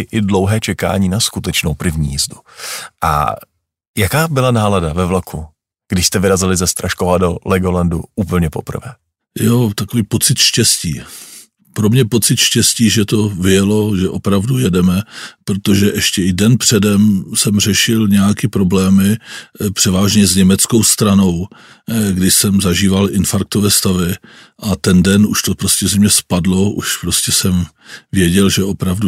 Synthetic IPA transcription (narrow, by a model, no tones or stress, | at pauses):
ɪʔɪdlowɦɛːt͡ʃɛka̰ːɲiːnaskut̪ɛt͡ʃnowpɾɪvɲḭːjizduʔa̰ | jakaːbɪlanaːladavɛvlakʰu | ɡ̥dɪʃst̪ɛvɪɾazɪlɪzɛst̪ɾaʃkovadolɛɡolanduʔuːpl̩ɲɛpo̞pr̩vɛ̰ː | jot̪akoviːpo̞t͡sɪt̪ʃcɛscḭː | pɾo̞mɲɛpo̞t͡sɪt̪ʃcɛsciːʒɛt̪o̞vɪjɛlo̞ʒɛʔo̞pɾavdujɛdɛmɛpɾo̞t̪o̞ʒɛʔɛʃcɛɪdɛnpr̝̥ɛdɛmsɛmr̝ɛʃɪlɲɛjakɪpɾo̞blɛːmɪpr̥ɛvaːʒɲɛzɲɛmɛt͡skowst̪ɾano̞w | ɡdɪʃsɛmzaʒiːvalʔɪnfaɾk̚t̪ovɛːst̪avɪ | ʔat̪ɛndɛnuʃt̪opɾoscɛzɛmɲɛspadlo̞ʔṵʃpɾo̞scɛsɛm | vɪjɛɟɛlʒɛʔo̞pɾavdu